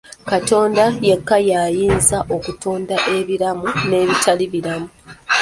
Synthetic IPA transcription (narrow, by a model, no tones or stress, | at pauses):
kato̞ːndajekːajaːjiːnzaʔo̞kutʰo̞ːndaʔe̞βiɾamune̞ːβitʰaliβiɾamu